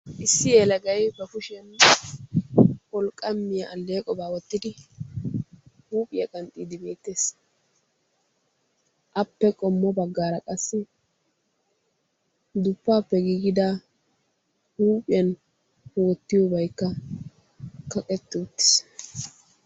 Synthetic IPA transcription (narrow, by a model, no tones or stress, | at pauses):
ʔɪsːɪjeːlɐɡɐjbɛfʊʃɛn | kɔlkʼɐmːɪjɐʔːlːe̞ːkʼɔbaːwɔt̪ːɪd̪ɪ | huːpʼɪjɐkʼɐnt̪ʼiːd̪ɪbe̞ːt̪ːe̞ːs | ʔɐpːɛkʼɔmːɔbɐɡːaːɾɐkʼɐsːɪ | d̪ʊpːaːpːɛɡiːɡɪd̪a | huːpʼɪɐn | wɔt̪ːɪjɔbɐjkːɐ | kɐkʼɛt̪ːɪʊt̪ːɪ̥s